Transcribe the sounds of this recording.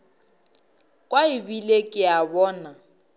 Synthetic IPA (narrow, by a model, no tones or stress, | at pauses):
kʼwaɪbilekʼɪabɔːna